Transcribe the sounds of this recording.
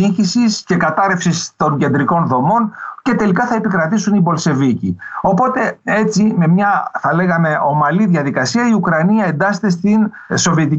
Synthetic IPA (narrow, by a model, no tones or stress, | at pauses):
iɲçisisce̞kɐt̪ɐɾe̞fsist̪o̞ɲɟe̞nd̪ɾiko̞nðo̞mo̞nce̞t̪e̞likɐθɐe̞pikɾɐt̪isunibo̞lse̞vicḭo̞po̞t̪e̞e̞t͡sime̞mɲɐθɐle̞ɣɐme̞o̞mɐliðjɐðikɐsiɐiukɾɐniɐe̞nd̪ɐset̪e̞st̪in | so̞vie̞t̪i